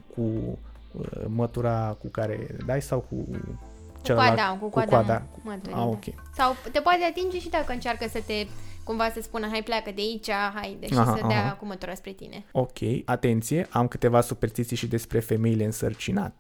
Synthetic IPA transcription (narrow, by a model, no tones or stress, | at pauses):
kʰu | ə̰mət̪uɾakukaɾe̞̰d̪ajsawkṵ | t͡ʃeləaad̪akukuadk̪add̪a | mət̪ua̰okʲḛ | sawt̪e̞poat̪eat̪ind͡ʒe̞ʃid̪akəɨnt͡ʃarkəsət̪e̞kumvasəspunəɦajplʲakəd̪eait͡ʃaɦajd̪eaɦaajaakumət̪uɾaspɾe̞t̪ḭne̞̰o̞kʲʰe̞jat̪e̞nt̪sije̞ʔamkɨt̪e̞vasuperst̪it̪sijʃid̪e̞spɾe̞fe̞me̞ile̞ɨnsərt͡ʃina̰t̪e